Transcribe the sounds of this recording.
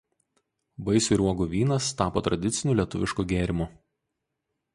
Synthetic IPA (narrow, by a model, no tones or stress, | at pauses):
bɐɪsʲʊɾuɔɡuːʋʲiːnɐst̪ɑːpoːt̪ɾɐd̪ʲɪt̪sʲɪnʲuːˑlʲiɛt̪ʊʋʲɪʃkuːˑɡʲeːɾʲɪmu